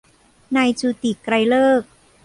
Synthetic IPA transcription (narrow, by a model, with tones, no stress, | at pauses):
naː˧jt͡ɕuː˧t̪i˨˩kɾa˧jlɤː˥˩k̚